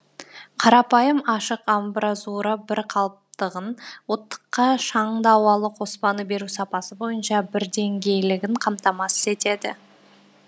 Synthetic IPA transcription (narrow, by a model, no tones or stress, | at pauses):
qʰɑɾɑpɑjəmɑʃəqambrazuɾəbɪɾqʰɑlˠəp̚t̪əʁənwo̞t̪ːə̥qːɑʃɑɴd̪ɑwɑlˠəqʰo̞spɑnəbe̞ɾusɑpɑsəbo̞jənʃɑbɪɾd̪e̞ŋɡʲe̞jlɪɡʲɪɴqʰɑmt̪ɑmɑsə̥ze̞t̪e̞d̪ɪ̰